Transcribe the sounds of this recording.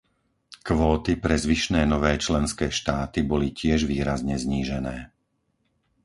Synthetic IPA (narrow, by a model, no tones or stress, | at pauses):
kʋɔːt̪ipɾɛzʋiʃnɛːnɔʋɛːt͡ʃlɛnskɛːʃt̪aːt̪ibɔlicɪɛʒʋiːɾazɲɛzɲiːʒɛnɛː